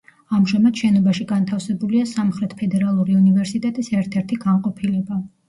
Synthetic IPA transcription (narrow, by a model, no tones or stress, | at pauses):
amʒamad̪̥ʃɛnɔbaʃiɡant̪ʰafsɛbuliasamχɾɛt̪ʰpʰɛd̪ɛɾalˠuɾiunivɛɾsit̪ʼɛt̪ʼisɛɾt̪ʰɛɾt̪ʰiɡanqʼɔpʰilɛba